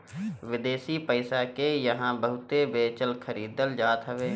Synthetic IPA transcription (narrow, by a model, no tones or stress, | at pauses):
ʋɪd̪eːsipəɪsakejɐɦãbəɦʊt̪ebeːt͡ʃəlkʰəɾiːd̪əld͡ʒaːt̪ɦəʋeː